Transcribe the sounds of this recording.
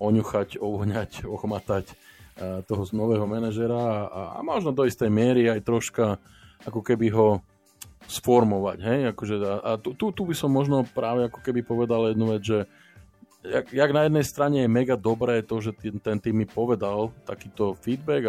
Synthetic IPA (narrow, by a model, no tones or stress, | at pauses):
ɔɲuxacɔʋɔɲacɔxɔmat̪acː | t̪ɔɦɔnɔʋɛːɦɔmɛnaʒɛɾaa̰a̰mɔʒnɔd̪ɔist̪ɛjmɪɛɾiajt̪ɾɔʃka | akɔkɛbiɦɔ | sfɔɾmɔʋa̰ɟɦɛjakɔʒɛaʔat̪ut̪ut̪ubisɔmːɔʒnɔpɾaːʋɛakɔ̥kɛbipɔʋɛd̪aljɛd̪nuʋɛd͡zʒɛ | a̰ɡjaɡnajɛd̪nɛjst̪ɾaɲɛjɛmɛɡad̪ɔbɾɛːt̪ɔʒɛit̪ɛnt̪iːmːipɔʋɛd̪alt̪akiːt̪ɔfiːd̪bɛɡ